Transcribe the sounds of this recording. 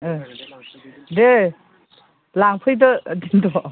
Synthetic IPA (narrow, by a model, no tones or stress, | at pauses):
de | laŋpʰɯjdɔdintɔ